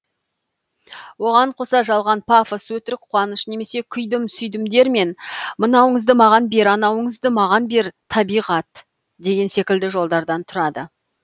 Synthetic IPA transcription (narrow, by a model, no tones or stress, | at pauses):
wo̞ʁɑɴqʰo̞sɑʒɑlˠʁɑnpʰafəswɵt̪ɪɾɪk̚qʰwɑnəʃne̞me̞se̞kʲʰʏjd̪ɪmsʏjd̪ɪmd̪e̞ɾme̞nmənɑwəɴəzd̪əmɑʁɑnbe̞ɾɑnɑwəɴəzd̪əmɑʁɑnbe̞ɾt̪ʰɑbijʁɑt̪ | d̪e̞ɡʲe̞nse̞kʲɪld̪ɪʒo̞lˠd̪ɑɾd̪ɑnt̪ʰʊɾɑd̪ə